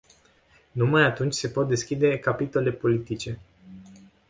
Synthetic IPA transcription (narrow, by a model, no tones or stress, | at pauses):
numajat̪unt͡ʃʲse̞po̞t̪̚d̪e̞skʲid̪e̞kapit̪o̞le̞po̞lit̪it͡ʃe̞